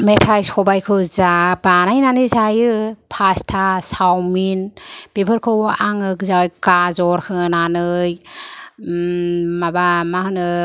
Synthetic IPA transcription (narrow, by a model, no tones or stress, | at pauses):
metʰajsɔbajkʰɯzabanajnanɯzajɯpʰastʰasawminb̥ebʰɯɾkʰɯʔaŋɯkzawjkazɔɾkʰɯnanɯj | mabamahɯnɯ